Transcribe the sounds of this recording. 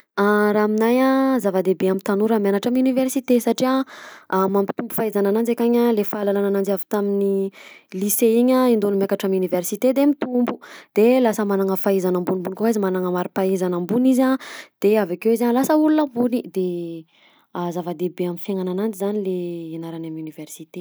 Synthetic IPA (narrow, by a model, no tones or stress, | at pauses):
aɾaminajazavad̪ebeamit̪anuɾamjanaʈ͡ʂamuniversit̪esaʈ͡ʂia | mampi̥t̪umbu̥faizananand͡zakaɲalefalalanananavi̥t̪aminiliseiɲaind̪onimjakaʈ͡ʂamuniversit̪ed̪emit̪umbud̪̥elasəmanaŋəfaizanambunimbunikoaizimanaŋəmaɾipaizanambunizad̪̥eavakewizaɲlasəulunambunid̪e | azavad̪ebeamifjaŋananand͡ʒizanileinaɾanamuniversit̪e